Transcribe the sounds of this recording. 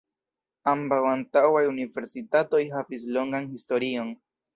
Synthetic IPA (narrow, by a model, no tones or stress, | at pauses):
ambawant̪awajuniveɾsit̪at̪ojɦafis̬loŋɡaŋhist̪oɾioŋ